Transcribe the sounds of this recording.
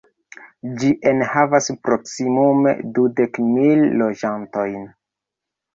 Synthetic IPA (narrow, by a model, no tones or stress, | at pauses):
d͡ʒiʔe̞nhavaspɾoksimume̞̰dude̞kmilːo̞d͡ʒanto̞jn